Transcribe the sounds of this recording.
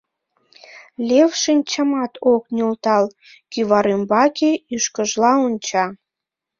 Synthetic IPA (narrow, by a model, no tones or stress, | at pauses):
lʲewʃinʲt͡ɕəmɑt̪ʰoknʲult̪ɑl | kyβɑɾymbɑkeyʃkəʒlɑonʲt͡ɕɑ